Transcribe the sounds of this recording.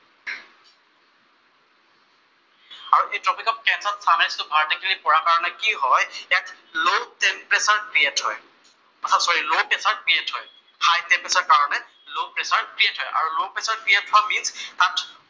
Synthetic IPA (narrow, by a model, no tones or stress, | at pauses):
aɹuʔejtɹɔpikɔp̚kɛnsatstʰanɛstʊbʱaɹtakʰilipɔɹakaɹɔnɛkiɦɔjɛk | lotempɹesaɹkɹiethɔ̰j | pɔsʰasɔɹilopesaɹkɹiethɔj | hajtempɹesaɹkaɹɔnɛ | lopɹesaɹkɹietɦɔjʔa̰ɹulopesaɹkɹijetːʊaminst̪at